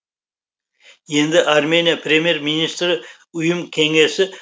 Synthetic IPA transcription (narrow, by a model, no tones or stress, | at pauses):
je̞nd̪ɪʔarme̞nʲijapʰre̞mʲje̞ɾminist̪rɪ | ʊjəmkʲʰe̞ŋe̞sɪ